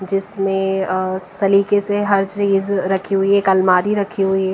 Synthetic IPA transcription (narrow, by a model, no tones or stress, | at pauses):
d͡ʒɪsmẽsɐliːkeseɦɐɾd͡ʒiːzɾɐkʰiɦʊiɦɛkɐlmaːɾiɾɐkʰiɦʊiɛ